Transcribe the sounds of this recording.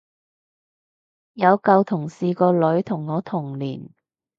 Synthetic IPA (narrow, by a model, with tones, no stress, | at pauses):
jɐ˨˧wkɐ˧wt̪ʰʊ˨˩ŋsiː˨˧kɔː˧lɵ˨˥ɥt̪ʰʊ˨˩ŋːɔː˨˧t̪ʰʊ˨˩ŋlḭː˨˩n